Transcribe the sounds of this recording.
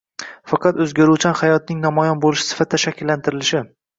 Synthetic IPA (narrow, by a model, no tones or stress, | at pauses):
fɑqʰɑt̪ɵzɡʲaɾuwt͡ʃʰanhajɒt̪̚nɪŋnɒmɒjɒnbolɪʃɪ̥sɪ̥fat̪̚d̪aʃakʲʰːɪlːant̪ʰɪɾɪlɪʃɪ